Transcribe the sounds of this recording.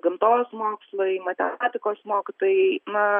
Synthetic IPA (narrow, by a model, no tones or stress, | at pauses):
ɡɪmt̪oːsmoːkslˠoɪmɐt̪ʲɛ̰aːt̪ʲɪkoːsmoːkʲɪt̪oːjnɐ